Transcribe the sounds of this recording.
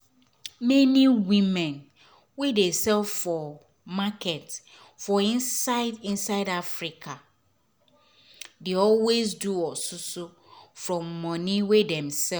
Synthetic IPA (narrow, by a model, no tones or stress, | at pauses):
mɛ̃nĩwĩmɛ̃n | wedesɛlffɔ | makʰɛt | fɔinĩnsaɪdafɾikʰa | deɔlwes̬duɔsʊsʊ | fɹɔ̃mːɔ̃nɪ̃wedɛ̃msɛ